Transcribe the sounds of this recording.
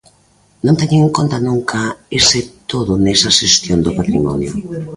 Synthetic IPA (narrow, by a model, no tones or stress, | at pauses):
nõnt̪ɛɲeeŋkont̪ɐnuŋkʰaesɪt̪oðʊnɛsaʃest̪jond̪opat̪ɾimɔ̰njo